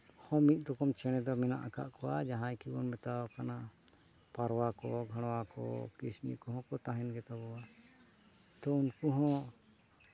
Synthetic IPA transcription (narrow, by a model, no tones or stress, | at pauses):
hɔ̃mit̪̚ˀɾɔkɔmt͡ʃɛɽ̃ɛd̪ɔmɛna̰ʔaka̰ʔkɔwad͡ʒaɦãjkibɔnmɛt̪awakana | paɾwakɔɡʱaɽ̃wakɔ̰kisnḭkɔɦɔ̃kɔt̪aɦɛnɡɛt̪abɔwa | t̪ɔunkuɦɔ̃